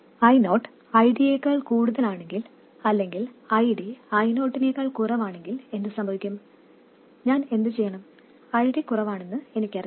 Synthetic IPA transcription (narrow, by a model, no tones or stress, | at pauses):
ɐjno̞ːʈː | ɐjɖieːkɐɭkuːɽuðɐlaːɳe̞ŋɡil | ɐlːe̞ŋɡilɐjɖiɐjno̞ːʈːineːɣɐɭkurɐʋaːɳe̞ŋɡile̞nd̪ɨsɐmbʱɐʋikʲːum | ɲaːne̞nd̪ɨt͡ɕe̞jːɐɳɐm | ɐjɖikurɐʋaːɳenːɨe̞nikʲːɐri